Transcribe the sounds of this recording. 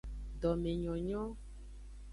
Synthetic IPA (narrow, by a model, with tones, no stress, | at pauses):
ɖɔ˨mẽ˨ɲɔ̃˨ɲɔ̃˦